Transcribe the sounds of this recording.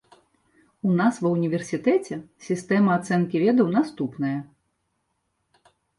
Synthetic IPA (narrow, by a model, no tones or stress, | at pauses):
unasvɐwnʲivʲɛrsʲit̪ɛt͡sʲɛsʲist̪ɛmɐːt̪sɛnkʲivʲɛd̪ɐwnast̪upnɐjɐ